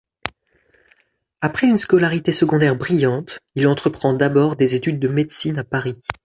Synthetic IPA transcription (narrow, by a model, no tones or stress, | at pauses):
apχɛynskɔlaʁit̪esəɡɔ̃d̪ɛʁbʁijɑ̃t̪ilɑ̃t̪χəpχɑ̃d̪abɔʁd̪ezet̪yd̪ːəmed̪sinapaʁi